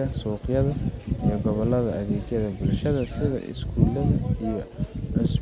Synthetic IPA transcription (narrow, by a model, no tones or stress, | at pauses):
ɐsuːqjɐðɐijɞɡɔβɐlɐðɐʔɐðeːɡjɐðɐbɪlʃɐðɐsɪðɐ̰ʔɪ̰skʰuːlɐðɐijɞɪs